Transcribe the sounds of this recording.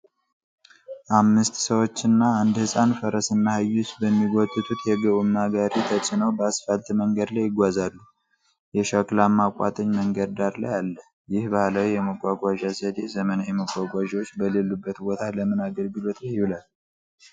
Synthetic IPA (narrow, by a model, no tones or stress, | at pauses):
ʔamːɨst̪səwo̞t͡ʃːɨnːaand̪hɨsʼanfəɾəsɨnːahajːusbəmːiɡɔt̪ʼːɨt̪ʰut̪jɛɡəʔumːaɡaɾit̪ʰəsʼɨnəwbəasfəlt̪ʼməŋɡəd̪lajɪɡʷazalːu | jɛʃakʼlamːakʷʼːa̰t̪ʼəɲməŋɡəd̪d̪aɾla̰jalːə | jɪhbahləwjɛməɡʷʼaɡʷaʒazəd̪ezəmənajɛməɡʷʼaɡʷaʒiwot͡ʃːbəlelːubːət̪bot̪ʰaləmɨnaɡəlɡɨlo̞t̪lajɪhulal